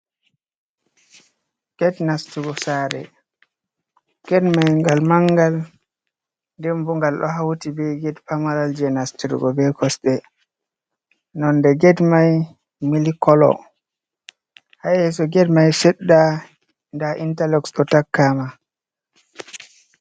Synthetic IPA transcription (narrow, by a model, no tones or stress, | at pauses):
ɡ̥ɛdnastuɡɔsaːɾɛ̰ | ɡ̥ɛdmajŋɡalmaŋɡal | ndɛmbuŋɡalɗɔ̰ɦawtibɛɡɛdpamaɾald͡ʒɛnastiɾ̰ɡɔbɛkʰɔsɗɛ | nɔndɛɡɛdmaj | milikɔlɔ̰ | hajɛs̬ɔɡɛdmajsɛɗːa | ndaʔintalɛksɗɔtakːama